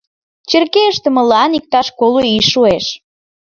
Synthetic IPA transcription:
t͡ɕerkeəʃt̪ə̆məlɑnik̚t̪ɑʃkoloiʃːueʃ

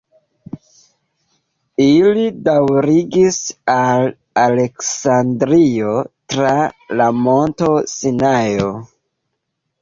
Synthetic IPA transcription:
ilidawɾiɡisal | ale̞ksandɾio̞tɾalamo̞nto̞sinajo

